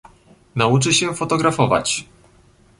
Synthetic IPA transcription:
naut͡ʂɘɕɛfɔt̪ɔɡɾafɔva̰t͡ɕ

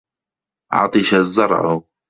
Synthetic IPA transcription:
ʕɑ̰t̪ˤɨʃazːɑɾˤʕʊ̰

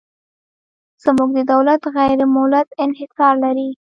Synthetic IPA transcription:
z̥əmuɡ̚d̪əd̪awlat̪ɣajɾɪmʊlad̪ɪnhɪsɑɾlaɾi

